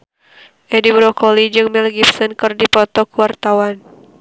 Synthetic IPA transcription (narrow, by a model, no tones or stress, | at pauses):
ʔɛdibɾɔkɔlid͡ʒɨŋmilɡifsɔnkɨrdipɔt̪ɔkuwart̪awan